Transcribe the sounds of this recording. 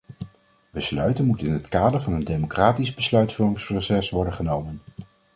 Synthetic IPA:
bəslœ̰ɥtənmutənɪnɦətkaːdəɹvɑnəndejmokraːtizbəslœɥtfurɪŋsprowsɛsʋɔɹdəχənowmən

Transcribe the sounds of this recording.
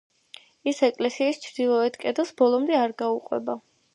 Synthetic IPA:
isɛkʼlɛsiist͡ʃʰvd̪ilˠɔɛt̪kʼɛd̪ɛlˠsbɔlˠɔmd̪ɛaɾɡauqʼwɛ̰ba

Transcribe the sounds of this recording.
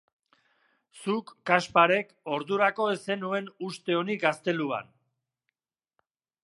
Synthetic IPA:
sukːaspaɾe̞ko̞ɾðuɾako̞esenue̞nust̪e̞o̞niɡast̪e̞lua̰n

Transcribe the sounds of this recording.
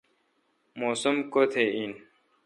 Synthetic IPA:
moːsumkot̪ʰein

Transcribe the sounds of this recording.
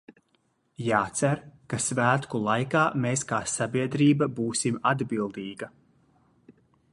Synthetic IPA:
jaːt̪sæɾkasvæːt̪kulˠajkaːmeːskaːsabiɛd̪ɾiːbabuːsimad̪bilˠd̪iːɡɐ

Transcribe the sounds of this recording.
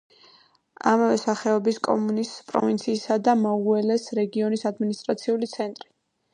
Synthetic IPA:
a̰mavɛsaχɛɔbiskʼɔ̰munispʼɾɔ̰vint̪sʰiːsad̪amɔuɛlɛsɾɛɡiɔnisad̪minist̪ʼɾat̪sʰiulit̪sʰɛnt̪ʼɾi

